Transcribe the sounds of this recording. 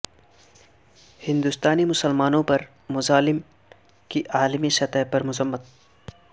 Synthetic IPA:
hɪ̃nd̪ʊst̪aːnimʊsəlmaːnõpɐɾ | mʊzaːlɪm | kiʔaːlmisɐt̪əɦpɐɾmʊzɐmːət̪̚

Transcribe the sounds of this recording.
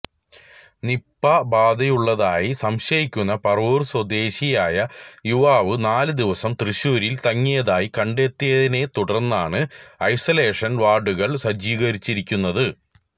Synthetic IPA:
nipːɐbaːd̪ɐjuɭːɐðaːjisɐmɕɐjikʲːunːɐpɐruːrswɐd̪e̞ːɕijaːjɐjuʋaːʋɨnaːlɨd̪iʋɐsɐmt̪rɨɕuːɾilt̪ɐŋːijɐðaːjikɐɳɖe̞ːt̪ːijɐðine̞t̪uɽɐrnːaːɳɨɐjsɐle̞ːʂɐnʋaːɖuɣɐɭsɐd͡ʑiːɣɐɾit͡ɕːiɾikʲːunːɐðɨ

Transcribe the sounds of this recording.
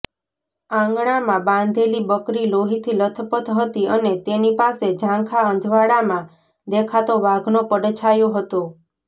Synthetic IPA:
ãŋɡɳ̃amãbãnd̪ʱelibəkɾiloɦit̪ʰilət̪ʰəpət̪ɦət̪iənet̪enipased͡ʒʱãkʰaənd̪ʱʋaɽamã | d̪ekʰat̪oʋaɡnopəɽt͡ʃʰajoɦət̪o

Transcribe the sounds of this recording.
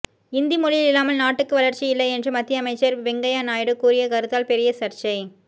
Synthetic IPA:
ɪnd̪imɔɻɪjɪlɪlːaːmɐlnaːʈːɯkːɯʋɐlɐɾt͡ʃijɪlːɐɪɛndrɯmɐt̪ːɪjɐmɐɪt͡ʃːɐɾʋɛŋɡɐjaːnaːjɪɽɯkuːɾɪjɐkɐɾɯt̪ːaːlpɛɾɪjɐsɐɾt͡ʃɐɪ

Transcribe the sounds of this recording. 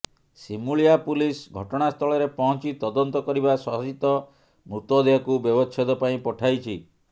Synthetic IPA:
simuɭijapulisɡʱɔʈɔɽ̃ast̪ʰɔɭɔɾepɔɦɔ̃nt͡ʃit̪ɔd̪ɔnt̪ɔkɔɾibasɔɦɔsit̪ɔ | mɾut̪wɔd̪eɦɔkubjɔbɔt͡ʃʰjɔd̪ɔpaĩpɔʈʰajt͡ʃʰi

